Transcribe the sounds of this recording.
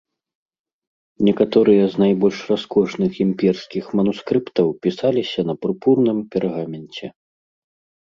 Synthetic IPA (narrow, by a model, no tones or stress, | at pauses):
nʲɛkat̪ɔɾɨjɐznajbɔlʲʂraskɔʂnɨximʲpʲɛrskʲixmɐnuskɾɨpt̪ɐwpʲisalʲisʲɐnɐpɾupurnɨmpʲɛrɣamʲɛnt͡sʲɛ